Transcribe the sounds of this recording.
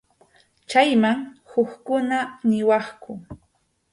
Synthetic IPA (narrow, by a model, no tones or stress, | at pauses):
t͡ʃajmaŋhʊkkʊnanɪwɑχkʊ